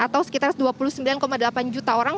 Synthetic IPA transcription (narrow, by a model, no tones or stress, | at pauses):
at̪awsə̥kit̪arsduapuluhsəmbilankomadəlapand͡ʒut̪aoɾaŋ